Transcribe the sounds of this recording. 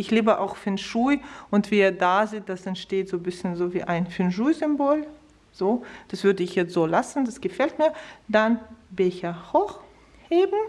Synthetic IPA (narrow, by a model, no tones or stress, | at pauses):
ʔɪçleːbəʔa̰ʊxfɪnʃuɪʔʊntv̥iːɐdaːzit̚d̥asɛntʃteːtz̥oːbɪsçənzoːvḭːʔaɪnfɪnʒuːzʏmboːl | z̥oːd̥asv̥ʏɐdəɪçjɛt͡stz̥oːlasn̩dasɡ̥əfɛltmiːɐd̥anbɛçɐhɔx | heːbm̩